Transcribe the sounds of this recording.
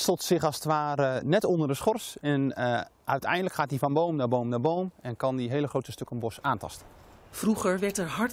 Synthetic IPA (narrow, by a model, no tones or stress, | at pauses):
stotsɪχɑlˠsətʋaːrənɛtɔndəɹdəsχɔrsɛn | œɥtʰɛ̰jndələkχaːt̚divɑnbowmnaːbowmnaɹbowmɛnkɑndiɦeːləχrowtəstøkənbɔsaːntɑ̰stənfruχəɹʋɛɹtɛɹɦɑɹt